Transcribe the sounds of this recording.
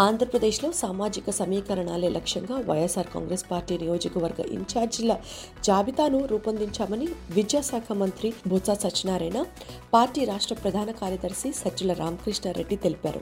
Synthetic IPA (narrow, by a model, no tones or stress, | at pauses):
aːnd̪ʱɾɐpɾɐd̪eːʃlo̞ːsaːmaːd͡ʒikɐsɐmiːkɐɾɐɳaːle̞ːlʔɐkʂjɐŋɡaːʋɐ̰jesaːɾka̰ːŋɡɾeːspaːɾʈiːnijo̞ːd͡ʒɐkɐʋɐɾɡɐ̰ʔḭɲt͡ʃaːɾd͡ʒilɐ | d͡ʒaːbit̪aːnuɾuːpɐnd̪iɲt͡ʃaːmɐniʋid͡ʒjaːsaːkʰɐmɐnt̪ɾibʱut̪saːsɐt͡ʃːinaːɾɐjnɐ | paːɾʈiːɾaːʂʈɾɐpɾɐd̪ʱaːnɐkaːɾjɐd̪ɐɾsisɐulɐɾʔaːmɐkɾiʂɳɐɾeɖːit̪e̞lipa̰ːɾṵ